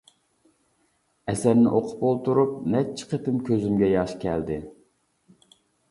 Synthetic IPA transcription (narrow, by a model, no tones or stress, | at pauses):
ɛsæɾnɪʔoqʰʊ̥polˠt̪uɾup̚nɛt͡ʃʰːɪ̥qʰet̪ɪmkʲʰøzymɡʲɛjɑʃkʲʰɛld̪ɪ